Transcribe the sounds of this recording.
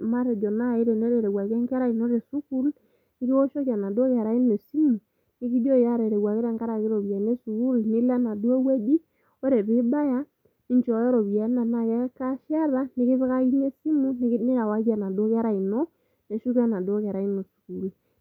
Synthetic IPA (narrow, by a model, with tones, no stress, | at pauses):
ma˦ɾɛ˨d͡ʒɔ˨na˦˨i˦ɾɛ˨nɔ˦ɾe˨ɾɛ˨ɡwa˨kɛ˦ŋkɛ˦ɾa˦i˨no˦ɾe˨su˦ku˦l | nɪ˦ki˦wɔ˦ʃɔ˦ka˨na˨do˦kɛ˨ɾa˦i˦no˨si˦mu˨ | ni˦ki˦do˦ja˦ɾe˨ɾe˨ɡwa˨ki˦ɾɛ˦˨ŋka˦ɾa˨ki˦ɾo˨bi˨a˨ne˦su˨ku˦lni˦la˦na˨do˦we˦di˦ | o˦ɾe˨bi˦ba˦ja˦ | ni˦ɲt͡ʃɔ˨jɔ˦ɾɔ˨βi˨a˨˦na˨na˨kɛ˦ka˦ʃa˦ða˦nɪ˦kɪ˦βɪ˦ka˦i˦ne˦si˦mu˦n˦nɪ˦ka˨wa˦ka˨na˨do˦kɛ˦ɾa˦˨i˨nɔ˦ | ne˨ʃu˦ka˦na˨do˦kɛ˨ɾa˨i˦no˨su̥˨ku˨l